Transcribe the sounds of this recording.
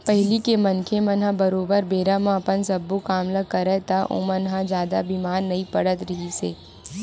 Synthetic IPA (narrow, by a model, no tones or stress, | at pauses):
pɛɦɪlikemɐnkʰemɐnɦãbɐɾoːbəɾbeːɾamãɐpənsɐbːokaːmlakɐɾɛt̪aʔõ̰ːmɐnɦãd͡ʒjaːd̪abimaːɾːɐipɐɽət̪ɾɐɦiseː